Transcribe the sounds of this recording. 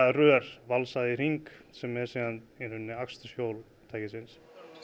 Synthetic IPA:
rœːɾ̥valsaðɪriŋksɛmːɛð̥seðaninʏnːɪakst̪ʏ̥sjoːwl | t̪ʰaːjcɪsɪns

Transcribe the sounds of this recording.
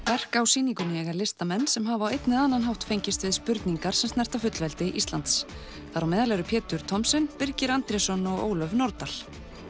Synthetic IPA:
vɛr̥kawsiːniŋkʏnɪjɛɣalɪst̪amɛnːsɛmɦavaːwejt̪nɪðaːnːanɦawht̪fejɲcɪst̪vɪðspʏɾt̪niŋkaɾ̥sɛmst̪nɛ̥r̥t̪afʏt̪lvɛlt̪ɪʔist̪la̰nt̪s | θaɾawmɪːðalɛɾʏpʰɛːt̪ʏɾ̥t̪ʰɔmsɪnpɪɾcɪɾant̪ɾɛsɔnɔɣo̰ːwlœvnɔɾt̪al̥

